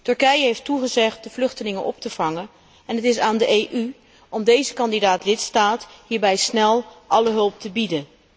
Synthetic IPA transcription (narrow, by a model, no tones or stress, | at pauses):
tɵɹkɛjəɦejftuχəzɛχt̚dəvlɵχtəlɪŋənʔɔp̚təv̥ɑŋən | ɛnɦətɪs̬aːndəʔejʔy | ɔmdejzəkɑndidaːtlɪtstaːtɦiːɹbɛjsnɛlˠʔɑləɦɵlˠp̚təbidən